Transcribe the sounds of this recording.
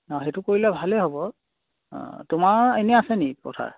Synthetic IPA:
naxetʊkoɹilɛbʱalɛɦobɔ̰̃ | tʊmaɹenɛasɛnipɔ̰tʰa̰ɹ

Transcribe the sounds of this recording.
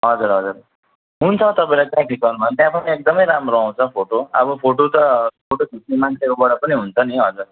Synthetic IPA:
ɦʌd͡zuɾɦʌd͡zur | ɦunt͡sʰʌt̪ʌpaĩlajt̪jãkʰikɡʌrnbʌnt̪jãpʌniek̚d̪ʌmʌjɾamroaw̃t͡sʰʌpʰoʈoʌ̰bʌpʰoʈot̪ʌpʰoʈok̪ʰisnemant͡sʰekobʌɽʌpʌniɦunt͡sʰʌniɦʌd͡zur

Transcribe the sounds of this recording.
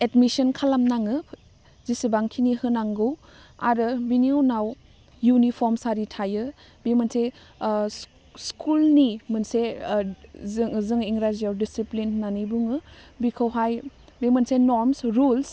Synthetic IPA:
etmisɐnkʰalamnaŋɯ | zisibaŋkʰinihɯnaŋɡɯw | a̰ɾɯbiniunaw | junipʰɔɾmsaɾitʰajɯ | bimanse | skʰulnimɯnse | zɯŋiŋɾazijawdisiplinnanibuŋɯbikʰɯwɦaj | bimɯnsenoɾmsɾuls

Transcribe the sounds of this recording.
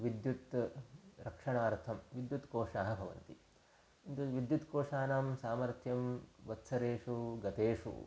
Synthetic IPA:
ʋid̪jut̪ | ɾɐkʂɐɳaːɾt̪ʰɐmʋid̪jut̪koːʂaːɦɐ̆bʱɐʋɐ̰nt̪i | int̪uʋid̪jut̪koːʂaːnaːmsaːmɐɾt̪ʰjɐmʋɐt̪sɐɾeːʂuɡɐt̪eːʂṵ

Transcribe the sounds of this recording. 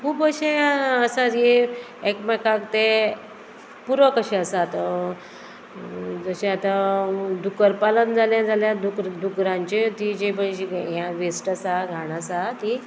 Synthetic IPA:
kʰuːbəɕẽəsatje | ekməkaɡt̪e | puɾʋəkəɕeəsat̪ | d͡zəɕẽat̪ad̪ukəɾpalənd͡zʱaljãd͡zaljãd̪ukɾd̪ukɾãɲt͡ɕet̪id͡ʑebəɕiɦjãʋesʈasaɡʱaɽ̃asat̪i

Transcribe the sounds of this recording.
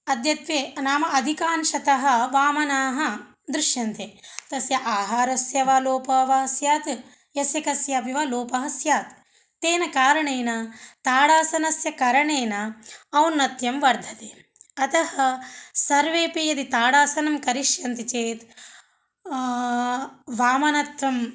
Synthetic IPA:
ɐd̪ʱjɐt̪ʋjeːnaːmɐʔɐd̪ʱikaːnʃɐt̪ɐɦɐ̆ʋaːmɐnaːɦɐ̆ | d̪ɾuʃjɐnt̪et̪ɐsjɐʔaːɦaːɾɐsjɐʋaːloːpɐːʋɐɦɐsjaːt̪ | jɐsjɐkɐsjaːpiʋaloːpɐɦɐsjaːt̪ː | eːnɐkaːɾɐɳeːnɐt̪aːɽaːsɐnɐsjɐkɐɾɐɳeːnɐːwnːɐt̪jɐmʋɐɾd̪ʱɐt̪e | ɐt̪ɐɦɐsɐɾʋeːpijɐd̪it̪aːɽaːsɐnɐmkɐɾiʂjɐnt̪it͡ʃeːt̪ | ʋaːmɐnɐt̪ʋɐm

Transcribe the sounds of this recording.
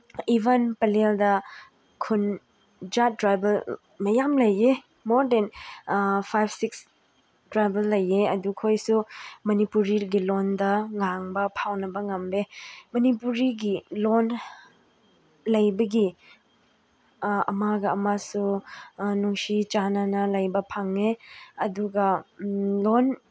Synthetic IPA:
ibɐnpɐleldɐ | kʰun | d͡ʒatɾajbɐl | mɐjamlɐje | moɾden | pʰajbʰsiks | tɾajbɐlːɐjeɐdukʰojsumɐnipuɾiɡilondɐŋaŋbɐpʰawnɐbɐŋɐmbemɐnipuɾiɡilon | lɐjbɐɡi | ɐ̰maɡɐɐmasu | nuŋsit͡ʃananɐlɐjbɐpʰaŋeɐduɡɐ | lon

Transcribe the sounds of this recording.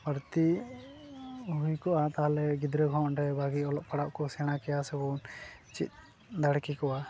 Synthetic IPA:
bəɾt̪i | ɦujkɔʔat̪aɦalɛɡid̪ɾəɡʱɔɔnɾɛbʱaɡiɔlɔʔ̚paɽaʔkɔsɛñakɛjasɛbɔnt͡ʃḭt̪̚ | d̪aɽkikɔʔa

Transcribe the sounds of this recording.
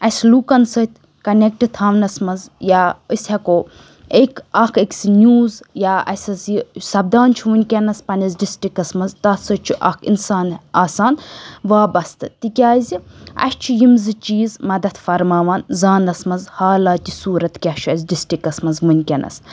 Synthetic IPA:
ɐslukɐnsət̪ʰ | kɐnek̚ʈɨt̪ʰaːʋnɐsmɐnzjaːəsʲhɐkoː | ekɐkʰeksinʲjuːzjaːɐ̰sʲɐsisɐb̚d̪aːnt͡ʃʰuʋunʲkʲenɐspɐnɐzɖisʈikɐsmɐnzt̪ɐsət͡ʃʰuʔɐkʰḭnsaːnaːsaːnʋaːbɐst̪ɨt̪ikʲaːziɐ̰st͡ʃʰijimzɨt͡ʃiːzmɐd̪ɐt̪ʰfɐɾmaːʋaːnzaːnɐsmɐzhaːlaːt̪ʲisuːɾɐt̪kʲɐt͡ʃʰɐzʲɖisʈikɐsmɐnzʋunʲkʲɐnʔɐ̰s

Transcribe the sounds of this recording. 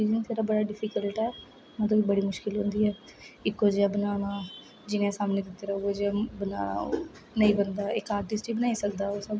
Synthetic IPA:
iːd͡ʒənsʰeːɾaːbəɽaːɖɪpʰikəlʈɛː | mɛ̃ːt̪õːibəɽiːmʊʃkɪlɦʊ̃nd̪iːɛːɪkːod͡ʒeabənaːnãː | d͡ʒɪnẽːsaːmneːd̪ɪt̪ːeɾəoed͡ʒabəna̰ːna̰ | nəĩːbənd̪aːɪkaːɾʈɪsʈiːbənaːisəkd̪aːoːsəb

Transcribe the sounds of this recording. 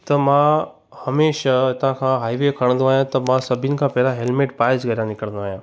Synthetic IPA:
t̪ɐmã | hɐmeːʃat̪ãkʰãɦaːiʋekʰəɽ̃nd̪õaːɦjãt̪ɐmãsɐbʱinɪ̆kʰãpɛɦlaɦelmeːʈpaːɪsɡɐɾjãnɪkəɽ̃nd̪oaːɦjãː

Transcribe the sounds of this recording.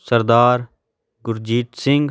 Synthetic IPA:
sɐɾd̪aːɾ | ɡʊɾd͡ʒiːʈ̪sɪ̃ŋɡ

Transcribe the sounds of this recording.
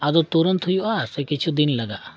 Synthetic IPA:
ad̪ot̪uɾənt̪ʰʊjuasekɪt͡ʃʰud̪inləɡaʔ

